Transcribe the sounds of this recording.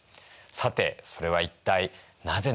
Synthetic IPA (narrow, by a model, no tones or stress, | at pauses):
sat̪e̞̰so̞ɾe̞β̞ait̪ːai | naze̞